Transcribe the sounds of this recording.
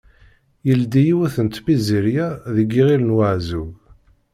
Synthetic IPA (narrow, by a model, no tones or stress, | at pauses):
jəld̪ijiwæθənt̪biziɾjæðəɡːiʁilənwaʕzuv